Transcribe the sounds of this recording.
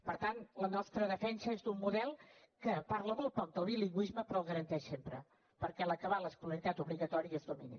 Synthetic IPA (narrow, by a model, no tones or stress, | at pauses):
pəɾt̪anlənɔst̪ɾəðəfɛnsəezd̪umːuðɛlˠ | kəpaɾləmɔlˠt̪̚pɔk̚d̪əlˠβiliŋɡwizməpɾɔɣəɾənt̪ɛʃsempɾə̰ | pəɾkɛləkəβaləskuləɾit̪at̪uβliɣət̪ɔɾiəezðuminḭ